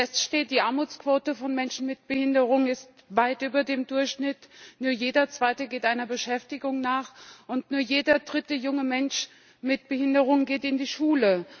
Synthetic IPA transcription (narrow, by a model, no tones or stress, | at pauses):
ɛstʃteːt̚d̥iːʔaɐmuːt͡skv̥oːtəfɔnmɛnʃn̩mɪt̚b̥əhɪndəʁʊŋnɪst | vaɪtʔyːbɐdeːmdʊɐçʃnɪtnuːɐjeːdɐt͡sv̥aɪtəɡeːtʔaɪnɐbəʃɛftɪɡʊŋnaːχʔʊntnuːɐjeːdɐdʁɪtəjʊŋəmɛnʃ | mɪt̚b̥əhɪndəʁ̞ʊŋəɡeːtɪndiːʃuːlə